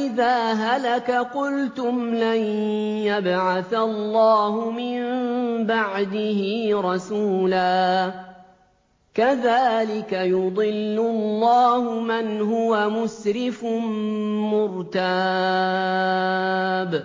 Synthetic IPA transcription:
ʔɪðaːɦalakaqʊlt̪ʊmlanjabʕaθalːɑːhʊmɪmbaʕd̪ɪhɪɾˤɑsuːlaː | kaðaːlɪkajʊd̪ˤɪlːʊlːɑːhʊmanɦʊwamʊsɾɪfʊnmʊɾt̪a | b

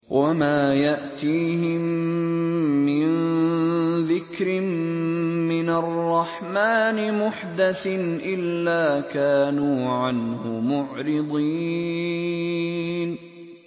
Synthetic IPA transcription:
wʔamaːjaʔt̪iːhɪm | ɪnn | ðɪkɾɪm | mɪnarˤːɑħmaːnɪmʊħd̪aθɪnʔɪlːaːkaːnuːʕanhʊmʊʕɾɪd̪ˤi | n

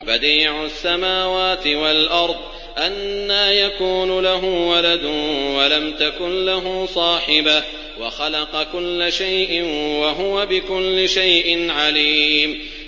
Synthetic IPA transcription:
bad̪iːʕʊsːamaːwaːt̪ɪwalʔɑɾˤd̪ˤ | ʔanːaːjakuːnʊlaɦʊwalad̪ʊwalamt̪akʊnlaɦʊsˤɑːħɪba | waxɑlɑqɑkʊlːaʃajʔɪnwaɦʊwabɪkʊlːɪʃajʔɪnʕaliːm

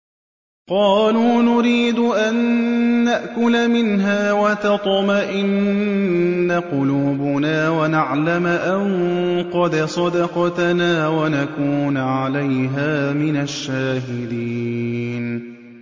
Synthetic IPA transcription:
qɑːluːnʊɾiːd̪ʊʔanːaʔkʊlamɪnɦaːwat̪ɑt̪ˤɑmaʔɪnː | aqʊluːbʊnaːwanaʕlamʔaŋqɑd̪sˤɑd̪ɑqɑt̪naːwanakuːnʕalajɦaːmɪnaʃːaːɦɪd̪iːn

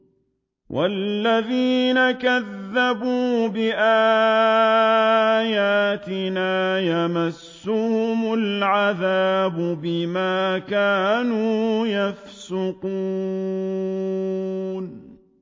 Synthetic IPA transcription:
wʔa̰lːaðiːnakaðːabuːbɪʔaː | jaːt̪ɪnaːjamasːʊhʊmʊlʕaðaːbʊbɪmaːkaːnuːjafsʊquː | n

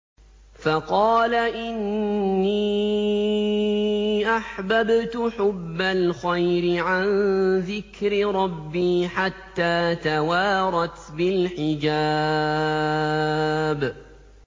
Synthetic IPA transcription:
fɑqɑːlaʔɪnːi | ʔaħbabt̪ʊħʊbːalxajɾɪʕanðɪkɾɪɾˤɑbːiːħat̪ːaːt̪awaːɾˤɑt̪bɪlħɪd͡ʒa | b

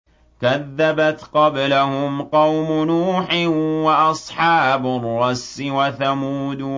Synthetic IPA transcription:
kaðːabat̪qɑblahʊmqɑwmʊnuːħɪwaʔɑsˤħɑːbʊrˤːɑsːɪwaθamuːd̪

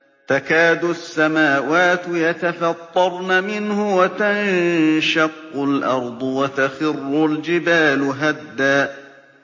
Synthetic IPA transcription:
t̪akaːd̪ʊsːamaːwaːt̪jat̪afɑt̪ˤːɑɾˤnamɪnhʊwat̪anʃɑqːʊlʔɑɾˤd̪ˤwat̪axɪrːʊld͡ʒɪbaːlʊɦad̪ːaː

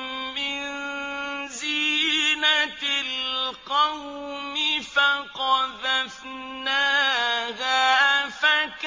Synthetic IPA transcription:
mɪnzinatlqɑw | mɪfaqɑðaf | naːɦafak

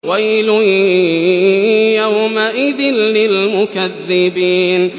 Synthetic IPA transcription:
wajlʊ | jawmaʔɪd̪ɪnːɪlmʊkaðːɪbiːn

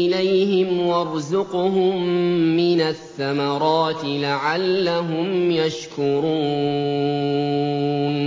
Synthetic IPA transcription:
ɪlajhɪmwɑɾˤzʊqʊɦʊmːɪnaθːamaɾˤɑːt̪ɪlaʕalːaɦʊmjaʃkʊɾuː | n

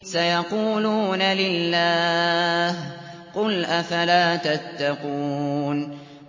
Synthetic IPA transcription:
sajɑquːluːnalɪlːaːh | qʊlʔafalaːt̪at̪ːɑqun

